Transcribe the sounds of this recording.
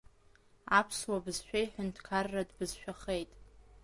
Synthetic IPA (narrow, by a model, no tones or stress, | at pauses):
apʰswabɨzʃᶣajħᶣʊntʰkʰarːadbɨzʃᶣaχejtʼ